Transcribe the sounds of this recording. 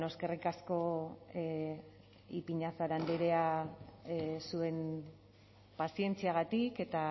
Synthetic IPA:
no̞ske̞rikasko̞ | ipiɲasaɾand̪eɾe̞a | sue̞n | pasie̞nt͡siaɣ̞at̪ike̞t̪a

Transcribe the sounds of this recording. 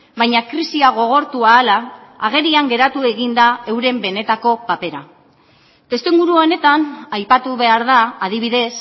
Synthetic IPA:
bajɲakɾisiaɣ̞o̞ɣ̞o̞ɾt̪uaːlaːɣ̞e̞ɾiaŋɡe̞ɾat̪ue̞ɣind̪ae̞wɾe̞mbe̞ne̞t̪ako̞pape̞ɾa | t̪e̞st̪eŋɡuɾuo̞ne̞t̪anajpat̪uβe̞aɾðaːðiβ̞iðe̞s

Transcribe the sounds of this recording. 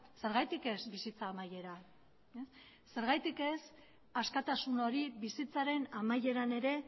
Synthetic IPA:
se̞ɾɣajt̪ike̞sbisit͡saːmaje̞ɾa | es | se̞ɾɣajt̪ike̞s | askat̪asuno̞ɾiβisit͡saɾe̞namaje̞ɾane̞ɾe̞

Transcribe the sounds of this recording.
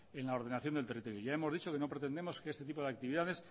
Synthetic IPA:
enlao̞ɾð̞e̞naθjond̪lt̪erit̪o̞ɾjoʝaemo̞zðit͡ʃo̞keno̞pɾet̪end̪e̞mo̞skeest̪e̞t̪̬ip̬o̞ð̞eak̚t̪iβiðað̞e̞s

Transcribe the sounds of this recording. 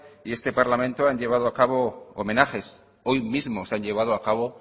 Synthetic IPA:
ie̞st̪e̞paɾlamẽ̞nt̪oaɲʎe̞β̞að̞oakaβo̞o̰menaxe̞s | o̞jmizmosaɲʎe̞β̞að̞oakaβo

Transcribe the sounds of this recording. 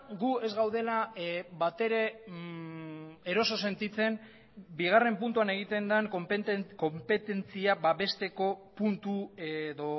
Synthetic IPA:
ɡue̞zɣawðe̞labat̪e̞ɾe̞ | e̞ɾo̞so̞se̞nt̪it͡se̞n | biɣ̞are̞mpunt̪uane̞ɣ̞it̪e̞nd̪aŋkopt̪kompe̞t̪e̞nt͡siabaβe̞st̪e̞ko̞punt̪ueðo̞

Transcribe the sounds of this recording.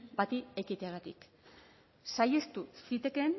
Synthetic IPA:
bat̪ie̞kit̪eaɣat̪ḭk | sajest̪usit̪e̞ke̞n

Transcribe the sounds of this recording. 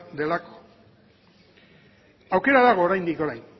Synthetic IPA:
d̪e̞lako̥ | awke̞ɾaðaɣ̞o̞ːɾajnd̪iko̞ɾajn

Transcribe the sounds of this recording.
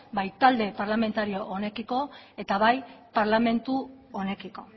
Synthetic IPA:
bajt̪ald̪e̞paɾlame̞nt̪aɾio̞ʔone̞kiko̞e̞t̪aβajpaɾlame̞nt̪u | one̞kiko̞

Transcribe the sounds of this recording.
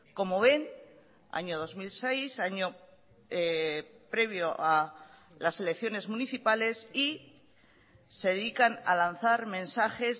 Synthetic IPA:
ko̞mo̞β̞e̞n | a̰ɲo̞ð̞o̞zmilsejsaɲo̞ | pɾe̞β̞jo̞ʔa | lase̞le̞kθjo̞ne̞zmũniθipale̞si | se̞ðeðikana̰lan̟θaɾmẽ̞nsaxez

